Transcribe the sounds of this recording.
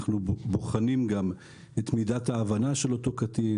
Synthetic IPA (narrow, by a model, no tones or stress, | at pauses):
χnuboχanimɡam | et̪midathaːvanaʃe̞lotokati